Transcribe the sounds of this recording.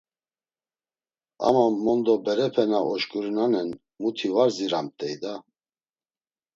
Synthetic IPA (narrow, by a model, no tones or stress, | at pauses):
a̰mamːɔnd̪ɔbɛɾɛpʰɛnaɔʃkʼuɾinanɛn | mut̪ʰivaɾziɾamt̪ʼɛjd̪a